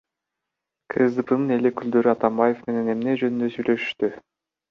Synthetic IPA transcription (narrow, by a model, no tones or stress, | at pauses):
kʰɯzd̪ɯpɯnɯne̞lekyld̪ø̞ɾyɑt̪ɑmbaje̞fme̞ne̞ne̞mne̞d͡ʒønynd̪øsyjlø̞ʃy̥ʃt̪y